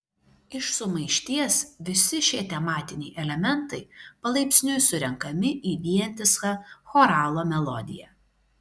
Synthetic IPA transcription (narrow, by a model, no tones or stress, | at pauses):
ɪʃsʊmɐɪʃʲt̪ʲiɛsʋʲɪsʲɪʃʲiɛt̪ʲɛmɑːt̪ʲɪnʲɛɪʔɛlʲɛmʲɛnˑt̪ɐɪpɐlˠɐɪpʲsʲnʲʊjsʊɾʲɛŋkɐmʲɪʔiːʋʲiɛnʲt̪ʲɪskɑxoːɾɑːlˠoːmʲɛlˠɔ̰d̪ʲɪ̰jɛ